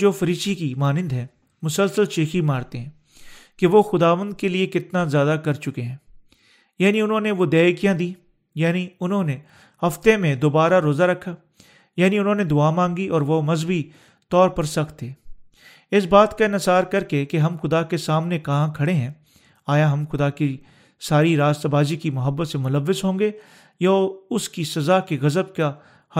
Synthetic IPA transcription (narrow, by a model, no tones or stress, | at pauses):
d͡ʒoːfɐɾiːʃikimaːnɪ̃nd̪ɦɛ̃ː | mʊsəlsəlʃeːximaːɾt̪eɦɛ̃ː | keʋoːxʊd̪aːʋə̃nd̪̚keliekɪt̪nazjaːd̪akɐɾt͡ʃʊkeɦɛ̃ː | jaːniʊnɦõːneʋoːd̪ɛːjkijãd̪iː | jaːniʊnɦõːne | hɐft̪emẽd̪oːbaːɾaɾoːzaɾɐkʰːaː | jaːniʊnɦõːned̪ʊaːmãːŋɡiʔɔːɾʋomɐzbi | t̪ɔːɾpɐɾsɐkʰt̪eː | ɪs̬baːt̪kaɪnəsaːɾkɐɾkekeɦɐmxʊd̪akesaːmnekɐɦãkʰɐɽeɦɛ̃ː | aːjaɦɐmxʊd̪aki | saːɾiɾaːst̪abaːzikimʊɦəbːət̪semʊləʋːəzɦõːŋɡe | jaʊskisɐzakeɣɐzəbka | h